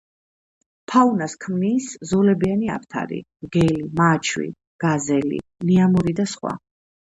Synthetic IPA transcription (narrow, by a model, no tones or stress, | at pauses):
pʰaunaskʰmniːszɔlɛbiania̰pʰt̪ʰa̰ɾḭ | ɡ̥ɛlimat͡ʃʰwḭ | ɡ̥azɛlḭniamuɾid̪asχwa̰